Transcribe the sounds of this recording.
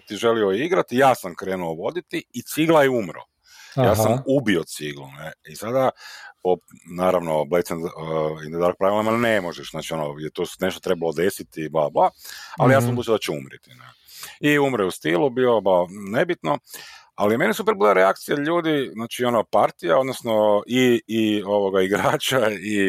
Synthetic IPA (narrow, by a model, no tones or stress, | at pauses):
t̪iʒe̞lioiɡɾat̪ijaːsamkɾeːnuoʋo̞d̪it̪iːt̪siɡlˠajeumɾo̰ | jaːssamubiot̪siɡluneisad̪aponaːɾaʋnoblet̪seninaɾok̚pɾaʋilamanemoʒɛʃznaːt͡ʃionojet̪osne̞ʃt̪ot̪ɾe̞balod̪esit̪iblˠablˠaa̰lijaːsampuːt͡ʃ̪iod̪at͡ʃɛumɾit̪inḛ | iumɾojust̪iːlubiloblanebit̪no | alime̞nisupeɾbileɾeakt̪sijaʎuːd̪iznaːt͡ʃio̞nopaɾt̪ijao̞d̪nosnoʔiː | o̞ʋoɡaiɡɾaːt͡ʃai